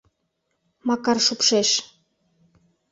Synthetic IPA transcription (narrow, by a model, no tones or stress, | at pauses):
mɑkɑrʃupʃeʃ